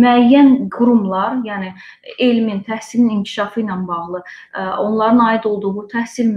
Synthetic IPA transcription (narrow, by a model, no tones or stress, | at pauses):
myæjːænɡuɾumlˠɑɾjæːni | elmint̪ʰæhsilinincʰi̥ʃɑfɯjnɑnbɑʁlˠɯo̞nlˠɑɾɯnɑid̪o̞lˠd̪uʁut̪ʰæhsilm